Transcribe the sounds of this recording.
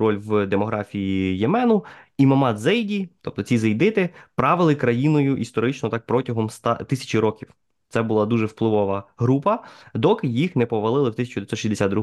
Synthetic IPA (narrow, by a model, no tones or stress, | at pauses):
ɾɔlʲwd̪emɔɦɾɑfʲijijemɛnʊimɐmɑzɛjdʲit̪ɔp̚t̪ɔt͡sʲizɐjd̪ɪt̪ɪpɾɑʋɪlˠɪkɾɐjinɔjʊʔist̪ɔɾɪt͡ʃnɔt̪ɑk̚pɾɔtʲɐɦɔmst̪ɑ̰t̪ɪsʲɐ̥t͡ʃiɾɔkʲiw | t̪sɛbʊlˠɑd̪uʒɛwplˠɪʋɔʋɐɦɾupɐd̪ɔkɪjixnɛpɔʋɐlˠɪlˠɪwt̪ɪsʲɐt͡ʃʊd̪ʋʲjsɔʃʲizʲd̪esʲɑd̪d̪ɾu